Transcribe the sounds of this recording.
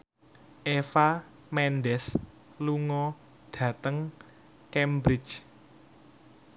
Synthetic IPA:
ʔefa | mɛnɖɛs | luŋɔ | ɖ̥ä̤t̪əŋ | kɛmbɾɪt͡ʃ

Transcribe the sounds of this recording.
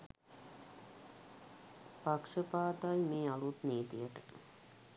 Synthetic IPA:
pakʂəpaːt̪ajmeːalut̪neːt̪ijəʈə

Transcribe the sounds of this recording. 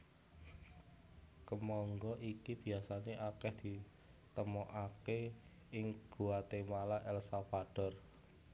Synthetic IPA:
kəmɔŋɡɔʔikib̥i̤asaneʔakɛhd̪̥i̤ | t̪əmɔʔake | ɪŋɡ̥uat̪emalaʔɛlsafaɖ̥ɔ̤r

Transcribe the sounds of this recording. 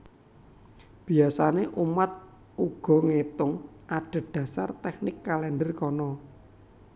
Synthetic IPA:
b̥i̤asaneʔumat̪̚ | uɡ̥ɔ̤ŋet̪ʊŋ | ʔaɖ̥ə̤ɖ̥a̤sa̰rt̪ɛk̚nɪkːalɛndərkɔnɔ

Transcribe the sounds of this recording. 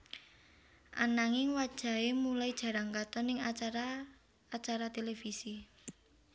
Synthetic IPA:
ʔa̰naŋɪŋwad̥ʒ̥a̤emulaid̥ʒ̥ä̤ɾaŋkat̪ɔnɪŋaaɾa | at͡ʃaɾat̪elefisi

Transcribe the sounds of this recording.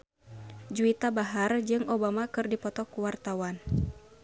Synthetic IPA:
d͡ʒuit̪abaɦard͡ʒɨŋobamakɨrdipɔt̪ɔkuwart̪awan

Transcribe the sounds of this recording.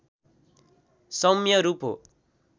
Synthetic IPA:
sʌmjʌɾupo̰

